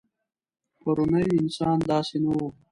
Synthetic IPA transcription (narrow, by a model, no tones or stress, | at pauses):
pɐɾunajɪnsɑːnd̪ɑːsenawo